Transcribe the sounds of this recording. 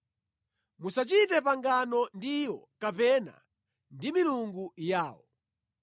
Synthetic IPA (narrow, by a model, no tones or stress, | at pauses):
musat͡ʃitɛpaŋɡanɔndiwɔkapɛna̰ | ndimiluŋɡujaːwɔ